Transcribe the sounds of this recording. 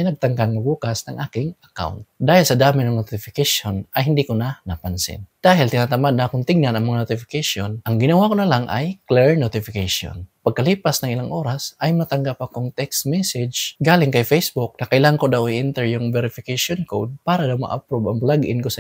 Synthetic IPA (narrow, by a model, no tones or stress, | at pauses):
ajnɐɡ̚t̪ɐŋkaŋɐbuːkasnɐŋʔaːkɪŋʔɐka̰wnt̪̚d̪aːhɪlsɐd̪aːmɪnɐŋnot̪ɪfɪkaʃonʔɐjɦɪnd̪ikonanapansɪ̰nd̪̥aːɦɪlt̪ɪnat̪ɐmad̪̚naʔakʊnt̪ɪɡ̚nanɐŋmɐŋanot̪ɪfɪ̥kaʃonʔɐŋɡɪnɐwakonɐlaŋʔa̰jklɛɹnot̪ɪfɪkaʃo̰npɐɡ̚kɐliːpasnɐŋʔɪlaŋʔo̞ːɾasʔɐjmɐt̪ɐŋɡapakʊŋt̪ɛkst̪mɛsɪd͡ʒɡaːlɪŋkajfejsbʊk̚nɐkɐʔɪlankod̪awiʔɪnt̪ɛɹjuŋvɛɾɪfɪkaʃonkowd̪̚paːɾad̪awma̰ʔapɾubɐŋblaɡʔɪ̰nkosɐ